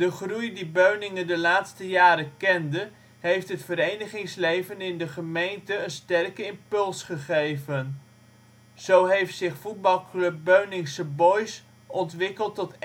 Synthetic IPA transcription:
d̥əχrujdibøɥnɪŋəndəlaːtstəjaːɾəkɛndə | ɦejftɦətfəɾejnəχɪŋslejvənɪndəχəmejntəənstɛrkəɪmpɵlˠsχəχejvən | z̥owɦejftsɪχfud̚bɑlˠklɵp̚ːøɥnɪŋsəbɔjs | ɔntʋɪkəlˠtɔt

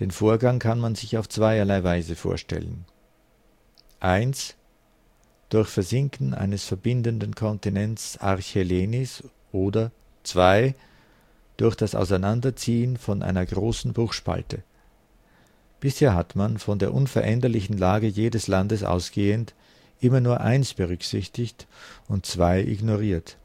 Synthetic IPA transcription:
d̥eːnfoːɐɡaŋkʰanmanzɪçaʊft͡sv̥aɪɐlaɪvaɪzəfo̰ːɐʃtɛ̰lə̰n | ʔaɪns | d̥ʊɐçfɛɐzɪŋkn̩ʔa̰ɪnəsfɛɐbɪndəndn̩kʰɔntinɛnt͡sa̰ʁçeleːnɪs | ʔoːdɐ | t͡sv̥aɪ | d̥ʊɐçd̥asa̰ʊsaɪnandɐt͡siːənfɔnʔa̰ɪnɐɡʁoːsn̩bʁʊxʃpa̰ltʰə | b̥ɪsheːɐɦatmanfɔndeːɐʔʊnfɛɐʔɛndɐlɪçn̩laːɡəjeːdəslandəsʔa̰ʊsɡ̥eːənt | ʔɪmɐnuːɐʔa̰ɪnsb̥əʁ̞ʏksɪçtɪçtʊnt̚t͡sv̥aɪʔɪ̰ɡnoʁiːɐt

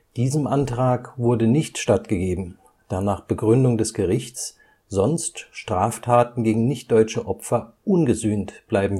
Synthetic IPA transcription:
d̥iːzəmʔantʁ̥aːkvʊɐdənɪçtʃtatɡ̥əɡeːbm̩ | d̥aːnaːχb̥əɡʁʏndʊŋdɛsɡ̥əʁɪçtt͡s | z̥ɔnstʃtʁ̥aːftʰaːtn̩ɡeːɡŋ̩nɪçt̚d̥ɔʏt͡ʃəʔɔpfɐʔʊnɡəzyːntb̥laɪbm̩

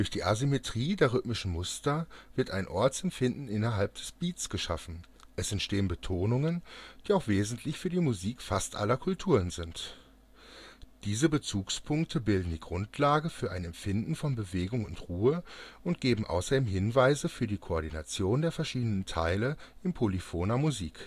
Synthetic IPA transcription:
d̥ʊɐçd̥iːʔazimetʁ̥iːdeːɐʁʏtmɪʃn̩mʊstɐv̥ɪɐtaɪnʔɔɐt͡sɛmfɪndn̩ɪnɐɦalp̚d̥ɛsb̥iːtsɡ̥əʃa̰fn̩ | ʔɛsɛntʃteːənbətʰoːnʊŋənd̥iːaʊxv̥eːzn̩tʰlɪçfyːɐdiːmuziːkfastʔa̰lɐkʰʊltʰuːʁənzɪnt | d̥iːzəbət͡suːkspʰʊŋk̚tʰəbɪldn̩diːɡʁʊntʰlaːɡəfyːɐʔaɪnɛmfɪndn̩fɔnbəveːɡʊŋʊntʁuːəʔʊntɡ̥eːbm̩ʔa̰ʊsɐdeːmɦɪnvaɪzəfyːɐdiːkʰoɔɐɾina̰t͡sjoːndeːɐfɛɐʃiːdənəntʰa̰ɪləʔɪmpʰolifoːnɐmuzḭːk

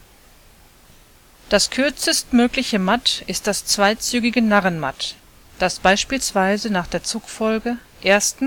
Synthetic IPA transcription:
d̥askʰʏɐt͡səstmøːklɪçəmatɪst̚d̥ast͡sv̥aɪt͡syːɡɪɡənaʁənma̰t | d̥asb̥aɪʃpiːlsv̥aɪzənaːχd̥eːɐt͡suːkfɔlɡə | ʔeːɐstn̩

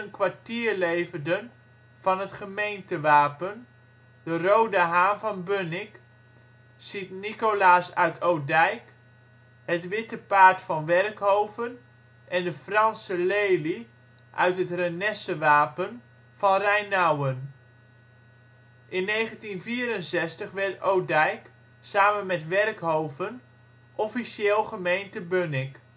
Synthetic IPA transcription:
ənkʋaɹtiːɹlejvəndən | v̥ɑnɦətχəmejntəʋaːpən | dərowdəɦaːnvɑnbønɪk | sitnikolaːsœɥtʰowdɛjk | hətʋɪtəpaːɹtfɑnʋɛrkɦowvən | ʔɛndəfrɑnsəlejli | ʔœ̰ɥtɦətrənɛsəʋaːpən | v̥ɑnrɛjnawən | ʔɪnːejχəntinviːəɾənsɛstəχʋɛɹtowdɛjk | saːmənmɛtʋɛrkɦowvən | ʔɔfiʃeːlˠχəmejntəbønɪk

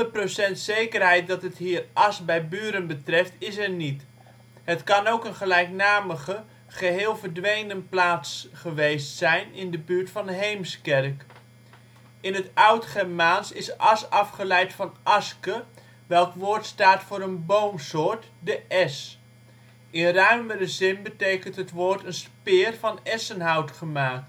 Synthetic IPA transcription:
dərprosɛntsejkərɦɛjt̚dɑtɦətɦiːrɑsbɛjbyːɾənbətrɛftɪsɛɹnit | ɦətkɑnowkənχəlɛjknaːməχə | χəɦɪːlˠvəɹdʋejnənplaːtsχəʋejstsɛjnɪndəbyːɹtfɑnɦejmskɛrk | ɪnətʌwtχɛɹmaːnsɪsʔɑsɑfχəlɛjtfɑnʔɑskə | ʋɛlˠkʋʊːɹtstaːtfʊːɾənbowmsʊːɹt | dəʔɛs | ɪnrœɥməɾəzɪnbətejkəntɦətʋoːɹtənspɪːrvɑnɛsənɦɑwtχəmaːk̚t

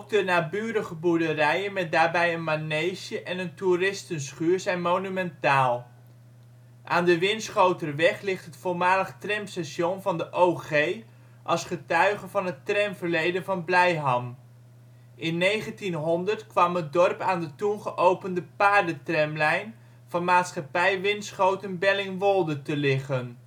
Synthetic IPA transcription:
ɔp̚dənaːbyːɾəχəbuɹdərɛjənmɛt̚daːɹbɛjənmanejʃəʔɛnənturɪstənsχyːɹzɛjnmownymɛntaːlˠ | ʔaːndəʋɪnsχowtərʋɛχlɪχtɦətfolmaːləχtrɛmsɛʃɔnvɑndəʔowχej | ʔɑlˠsχətœɥχəvɑnɦətrɛmvəɹlejdənvɑnblɛjɦɑm | ʔɪnːejχəntinɦɔndəɹtkʋɑmɦət̚dɔrpaːndətunχəʔowpəndəpaːɹdətrɛmlɛjn | v̥ɑnmaːtsχɑpɛjʋɪnsχowtənbɛlɪŋʋɔlˠdətəlɪχən

